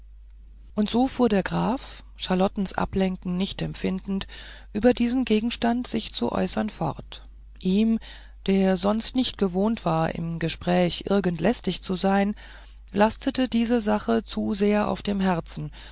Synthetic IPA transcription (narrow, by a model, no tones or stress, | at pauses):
ʔʊntz̥oːfuːɐɾeːɐɡʁaːfʃaɐlɔtn̩sʔa̰plɛŋkŋ̩nɪçtɛmpfɪndn̩t | ʔyːbɐdiːzn̩ɡeːɡŋ̩ʃtantz̥ɪçt͡sṵʔɔ̰ʏsɐnfɔ̰ʁt | ʔiːm | d̥eːɐzɔnstnɪçt̚ɡ̥əvoːntv̥aːɐʔɪ̰mɡəʃpʁ̥ɛːçʔɪ̰ɐɡəntʰlɛstɪçt͡suzaɪn | lʔastʰətədiːzəzaχət͡suzeːɐʔa̰ʊfd̥eːmɦɛɐt͡sn̩